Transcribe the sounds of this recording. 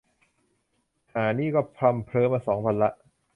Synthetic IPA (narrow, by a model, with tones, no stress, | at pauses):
haː˩˦niː˥˩kɔː˥˩pʰɾa˧mpʰɾɤː˧˥mːaː˧˩sɔː˩˦ŋpʰa˧nla˦˥ʔ